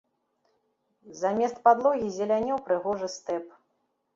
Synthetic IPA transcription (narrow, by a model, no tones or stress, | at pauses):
zamʲɛst̪̚pad̪lˠɔɣʲizʲɛlʲanʲɔwpɾɨɣɔʐɨst̪ɛp